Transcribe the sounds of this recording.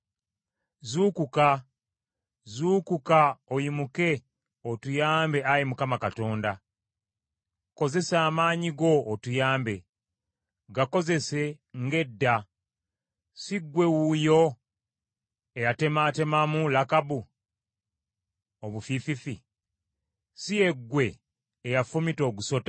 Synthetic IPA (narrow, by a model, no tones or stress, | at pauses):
zukuka | zuːkukaojimuke̞ | otujaːmbe̞ajimukamakato̞ːnda | ko̞ze̞saːmaːɲiɡo̞ːtujaːmbe̞ | ɡako̞ze̞se̞ŋɡe̞dːa | siɡːwe̞wujo̞ | ejate̞mate̞mamulakabu | oβufififi | sije̞ɡːwe̞ː | jafumito̞ːɡuso̞ta